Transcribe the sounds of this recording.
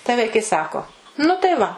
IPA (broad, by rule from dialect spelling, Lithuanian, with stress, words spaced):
tɐɪ ˈʋɐɪkɐɪ ˈsɑːkoː nʊ tɐɪ ˈʋɐ